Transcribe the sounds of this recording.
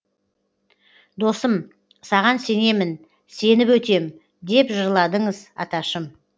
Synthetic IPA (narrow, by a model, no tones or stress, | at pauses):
d̪o̞səm | sɑʁɑnse̞ne̞mɪn | se̞nɪpwɵt̪e̞m | d̪e̞pʒəɾlˠɑd̪əɴəzɑ̰t̪ɑʃəm